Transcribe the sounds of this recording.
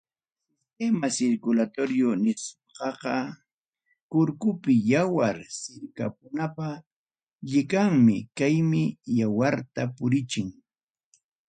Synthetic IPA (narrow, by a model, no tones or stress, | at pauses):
kemasɪɾkʊlat̪oɾjʊnɪsoqɑqɑ | kʊɾkʊpɪjawaɾsɪɾka̰pʊnapa | ʎɪkaŋmɪkajmɪjawaɾt̪apʊɾɪt͡ʃɪŋ